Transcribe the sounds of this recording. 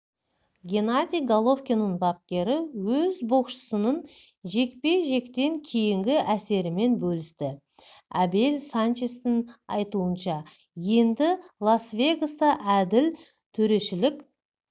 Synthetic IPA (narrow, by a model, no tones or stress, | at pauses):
ɡʲe̞nad̪ʲijɡalˠo̞fkʲenːənbɑp̚kʲe̞ɾɪwɵzboqʃə̥sənən | ʒe̞k̚pe̞ʒe̞kt̪e̞ŋkʲʰejɪŋɡʲɪʔæse̞ɾɪme̞nbɵlɪst̪ɪ | æbe̞lsant͡ʃest̪ɪnɑ̰jt̪uənʃɑ | je̞nd̪ɪlˠasvʲe̞ɡost̪ɑʔæd̪ɪl | t̪ʰɵɾe̞ʃɪlɪkʲ